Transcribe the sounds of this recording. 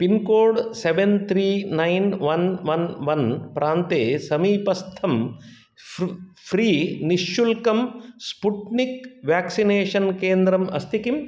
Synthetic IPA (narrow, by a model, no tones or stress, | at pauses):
pinkoːɾɖseʋent̪ʰɾiːnɐjnʋɐnʋɐnʋɐnpɾaːnt̪eːsɐmiːpɐst̪ʰɐm | pʰɾiːniʃːulkɐmspuʈnikʋaːksineːʂɐnkeːnd̪ɾɐmɐst̪ikim